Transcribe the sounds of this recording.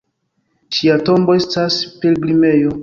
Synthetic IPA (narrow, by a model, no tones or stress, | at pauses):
ʃiato̞mbo̞e̞staspe̞ɾɡlime̞jo̞